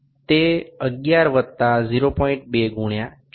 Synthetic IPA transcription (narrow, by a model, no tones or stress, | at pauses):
t̪eəɡjaɾʋət̪ːaziɾopɔĩɳʈ̚beɡʱuɳja